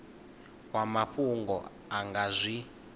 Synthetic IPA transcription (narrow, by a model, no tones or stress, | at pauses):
wamaɸuŋɡɔ̰ | aŋɡazʷi